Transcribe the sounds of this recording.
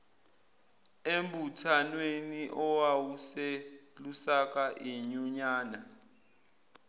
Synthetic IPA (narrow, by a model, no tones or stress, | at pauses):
embutʰanweniʔɔwawuselusak̬ʼaʔiɲuɲaːna